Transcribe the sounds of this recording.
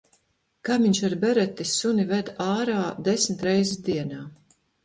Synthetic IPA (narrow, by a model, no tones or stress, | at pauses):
kamʲiɲʃaɾbɛɾɛt̪isunivɛd̪aːɾaːd̪esmʲt̪ɾɛjzisd̪iɛnaː